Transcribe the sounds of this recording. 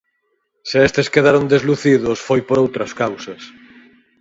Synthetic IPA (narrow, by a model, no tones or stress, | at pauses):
seest̪eskeð̞aɾond̪ezluθiðʊsfojpoɾowt̪ɾɐskawsɐs